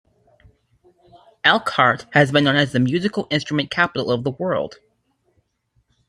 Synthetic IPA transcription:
ælˠkʰɑɹt̚hɨzbɨ̃nːõʊ̃nɨzðɨmjʉzɨkl̩ˠɪ̃nstɹ̥ɨmɨ̃nkʰæpəɾl̩ˠʌvðəwɜ˞lˠd̥

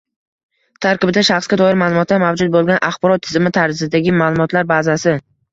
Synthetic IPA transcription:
t̪ʰaɾkɪbɪd̪aʃaχsɡʲad̪ɒɪɾmalˠʊmɒt̪ːamavd͡ʒʊd̪̚bolˠɡʲanʔaχbɒɾɒt̪ʰːɪzɪmɪt̪ʰaɾd͡ʒɪzɪd̪aɡʲɪmaːlˠʊmɒt̪ʰlaɾbazasɪ

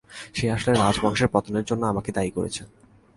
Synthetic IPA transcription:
ʃeaʃoleɾad͡ʑbaŋʃeɾpɔt̪oneɾd͡ʑonːoamaked̪aikoɾḛt͡ɕʰe

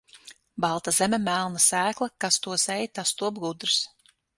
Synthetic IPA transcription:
bɑlˠt̪azɛmʲɛmælˠnasæːklˠɐkast̪uɔsɛjt̪ast̪uɔbɡud̪ɾs

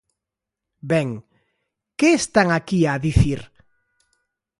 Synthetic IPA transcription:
bɛŋ | keːst̪aŋakiaðiθiɾ

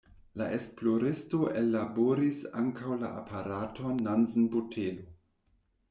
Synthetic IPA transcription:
laʔe̞splo̞ɾesto̞ʔelːaboɾisaŋkawla̰a̰pʰaɾatʰonːanzn̩botʰelo

